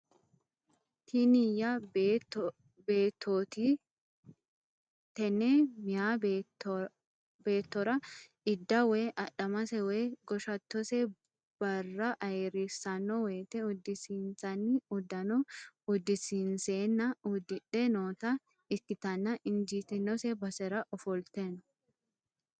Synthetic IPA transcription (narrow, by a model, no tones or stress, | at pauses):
t̪ʰinɪjɐ | beːt̪ʰːoːt̪i | t̪ɛnemɪjaːb | beːt̪ːɔɾɐ | ɪd̪ːɐweʔɐᶑɐmɐsɛweːɡɔʃɐt̪ːɔsɛ | b̥ɐrːɐʔɐɛɾɪsɐnːɔweːt̪ɛʊd̪ːɪsiːnsɐniʊd̪ɐnɔʊd̪ːɪsiːnseːnːɐʊd̪ɪᶑenoːt̪ɐ | ɪkːɪt̪ɐnːɐʔɪnd͡ʒiːt̪ɪnːɔsɛbɐsɛɾɐʔɔfɔlt̪eːnɔ̥